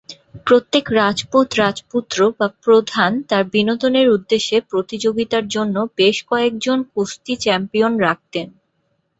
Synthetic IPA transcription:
pɾot̪ːekɾad͡ʑpot̪ɾad͡ʑput̪ːɾobapɾod̪ʱant̪aɾbinot̪oneɾud̪ːeʃːepɾot̪id͡ʑoɡit̪aɾd͡ʑonːobeʃkɔek̚d͡ʑonkust̪it͡ɕɛmpionɾak̚t̪en

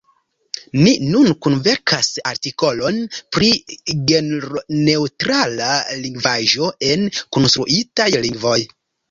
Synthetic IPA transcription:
ninunkunve̞ɾkʰasaɾtiko̞lo̞npɾiɡenɾne̞utɾalaliŋɡvaʒo̞ʔe̞nkonst̪ɾuʔitajliŋɡvo̞j

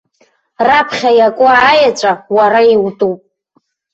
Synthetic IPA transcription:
rapʰχʲajakʷʼʊajat͡ʃʷʼawaɾaiwtʼupʼ

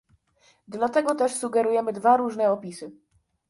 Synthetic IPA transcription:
d̪lat̪ɛɡɔt̪ɛʂsuɡɛɾujɛmɘd̪vaɾuʐnɛɔpʲisɘ

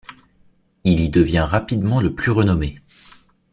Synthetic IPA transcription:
ilid̪əvjɛ̃ʁapid̪mɑ̃ləplyʁənɔme

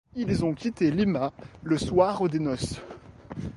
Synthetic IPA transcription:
ilzɔ̃kʲit̪elimaləswaʁod̪enɔs

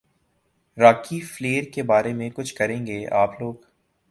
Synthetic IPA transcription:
ɾaːkifleːɾkebaːɾemẽkʊt͡ʃʰkɐɾẽːŋɡeːaːploːɡ

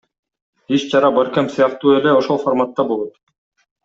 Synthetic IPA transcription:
it͡ʃt͡ʃʰɑɾɑbaɾkæmsɯjɑq̚t̪uːeleoʃolˠformat̪ːɑbolˠot̪

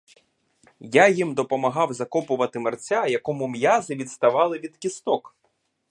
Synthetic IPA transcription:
jajimd̪ɔpɔmɐɦɑwzɐkɔpʊʋɐt̪ɪmɐrt͡sʲajɐkɔmʊmjazɪʋʲid̪st̪ɐʋɑlˠɪʋʲid̪kʲist̪ɔk

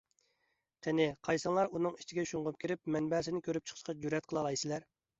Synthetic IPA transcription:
qʰenɪqʰɑjsɑnlˠɑɾunɨŋit͡ʃʰiɡʲɛʃuŋʁʊp̚kʲʰiɾɪpmɛnbɛsɪnɪkʲʰøɾyp̚t͡ʃʰə̥χʰə̥ʃqɑd͡ʒyɾɛt̪̚qʰəlˠɑlˠɑjsɪlæɾ

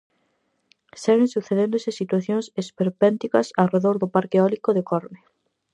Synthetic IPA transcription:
sɛβẽŋsuθeðẽnd̪ʊsɪsit̪waθjõŋsespeɾpɛnt̪ikɐsawreðoɾðʊpaɾkeɔlikoðekɔɾme

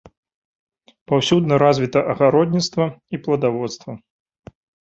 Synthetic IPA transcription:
pawsʲud̪nɐɾazʲvʲit̪ɐʔɐɣaɾɔd̪ʲnʲit̪st̪vɐiplˠɐd̪avɔt̪st̪vɐ

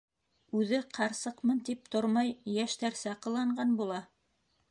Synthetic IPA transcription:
ʉðɘqʰɑɾsɤqmɤnt̪ip̚t̪oɾmɑjːæʃt̪æɾsæqɤ̆lˠɑɴɢɑnbulˠɑ

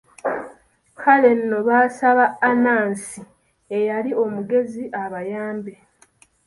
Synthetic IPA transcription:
kale̞nːo̞βaːsaβaːnaːnsi | e̞jalio̞muɡe̞ziʔaβajaːmbe̞

